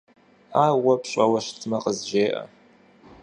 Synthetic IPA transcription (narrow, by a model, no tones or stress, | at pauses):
aːwɐpɕʼɐwɐɕtʰmɐqəzʒeːʔɐ̰